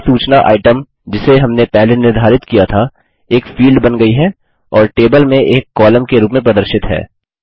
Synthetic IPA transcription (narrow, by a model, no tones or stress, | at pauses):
suːt͡ʃnaʔa̰ːɪʈəm | d͡ʒɪseɦɐmnepɛɦlenɪɾd̪ʱaːɾɪt̪kijat̪ʰa | eːkfiːlɖbɐnɡɐiɦɛ | ɔːɾʈeːbəlmẽʔeːkːɔːləmkeɾuːpmẽp̬ɾɐd̪əɾʃɪt̪ɦɛ̰ː